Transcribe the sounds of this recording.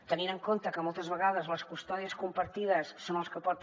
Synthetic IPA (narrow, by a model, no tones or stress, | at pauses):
t̪əninəŋkont̪əkəmɔlˠt̪əzβəɣað̞əzləskust̪ɔðiəskumpəɾt̪iðəsːonlˠskəpɔt̪